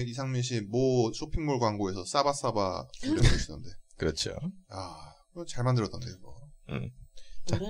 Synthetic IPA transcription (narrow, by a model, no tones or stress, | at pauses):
is̬ʰaŋmiɕ̬ʰimʌsʰopʰiŋmoɭɡwaŋɡoe̞sʰʌs͈abas͈aba̰eɾeeis͈ɯnɯ̰nde̞kɯɾʌt͡ɕʰo̰akɯʌt͡ɕaɭmandɯɾʌt͈ʌndemʌ̰ | t͡ɕa